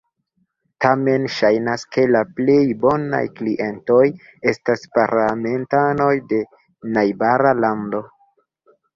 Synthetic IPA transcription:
tame̞nʃajnaske̞laple̞jbo̞na̰jkliʔe̞nto̞j | e̞staspaɾlame̞ntano̞jde̞ | najbaɾalando̞

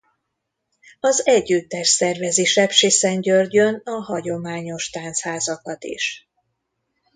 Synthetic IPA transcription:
ɒzɛɟːyt̪ːɛrsɛrvɛzeːʃɛpʃisɛɲɟørɟønɒɦɒɟo̞maːɲo̞ʃt̪aːnt̪shaːzɒkɒt̪ḭʃ

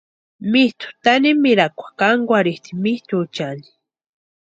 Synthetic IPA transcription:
mist̪ʊ̥t̪animiɾakʷḁkaŋɡʷaɾiht̪i̥miht̪ʊːt͡ʃani̥

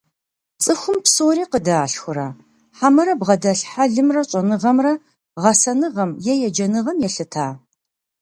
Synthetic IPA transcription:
t͡sʼɨxʷʊmpsoːɾiːqədaːɬxʷʊɾa | ħamɐɾɐbʁɐdɐɬħaɮɨmrɐɕʼɐnɨʁɐmrɐ | ʁɐsɐnɨʁɐmjɛjɛd͡ʒɐnɨʁɐmjɛɬɨtʰaː

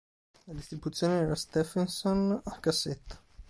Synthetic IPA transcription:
lad̪ist̪ɾibut̪sːjoːneɛːɾast̪ɛfensonakːasːet̪ːḁ

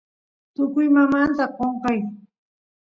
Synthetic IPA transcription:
t̪ʊkʊjmamant̪aqoɴqɑj

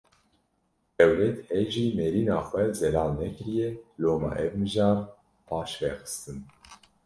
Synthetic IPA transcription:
d̪̥ɛwlɛt̪hɛʒiːmɛɾiːnɑːxʷɛzɛlɑːlnɛkɨɾijɛloːmɑ̰ːʔɛvmɨʒɑːɾ | pʰɑːʃvɛxɨ̥st̪ɨn

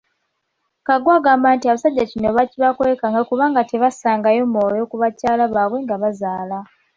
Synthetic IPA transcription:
kaɡwaɡaːmbaːntiaβasaɟːacino̞βaciβakwekaŋɡakuβaːŋɡateβasaːŋɡajo̞moːjo̞kuβacaːlaβaːβwe̞ŋɡaβazaːla

